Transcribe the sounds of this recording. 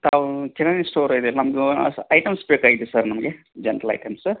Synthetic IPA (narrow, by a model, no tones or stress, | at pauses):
t̪aːʋkinɐnisʈoːɾɐjd̪enɐmɐɡeɐsɐjʈɐmspeːkaːjid̪esɐɾnɐmɐɡe | d͡ʒɐnɐɾɐlɐ̰jʈɐms